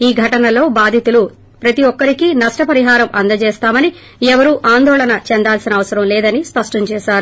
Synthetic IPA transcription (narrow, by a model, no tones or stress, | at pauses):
iːɡʱɐʈɐnɐlo̞ːbaːd̪ʱit̪ulu | pɾɐt̪iʋɔkːɐɾikinɐʂʈɐpɐɾiɦaːɾɐmʔɐ̰nd̪ɐt͡ʃɛːst̪aːmɐni | ɛʋɐɾuʔaːnd̪ɔːɭɐnɐt͡ʃɛnd̪aːlsinɐːʋɐsɐɾɐmlɛːd̪ɐnispɐʂʈɐɲt͡ʃɛːʃaːɾu